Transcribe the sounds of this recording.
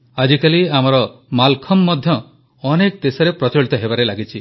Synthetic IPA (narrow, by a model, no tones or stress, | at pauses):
ad͡ʒikaliamɔɾɔmalkʰɔmːɔd̪ʱjɔ | ɔnekd̪esɔɾepɾɔt͡ʃɔɭit̪ɔɦebaɾelaɡit͡ʃʰi